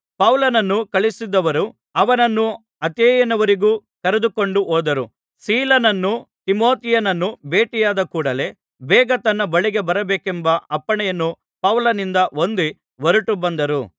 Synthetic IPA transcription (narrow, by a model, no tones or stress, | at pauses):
pɐwlɐnɐnːukɐɭisid̪ːɐʋɐɾu | ɐʋɐnɐnːu | ɐt̪eːjɐnɐʋɐɾiɡuːkɐɾed̪uko̞ɳɖuɦoːd̪ɐɾu | siːlɐnɐnːut̪imo̞ːt̪ijɐnɐnːubeːʈijaːd̪ɐkuːɽɐle̞ː | bɛːɡɐt̪ɐnːɐbɐɭiɡe̞bɐɾɐbeːkembɐʔɐpːɐɳɛjɐnːu | pɐwlɐnind̪ɐond̪e | ʋɐɾuʈubɐnd̪ɐɾṵ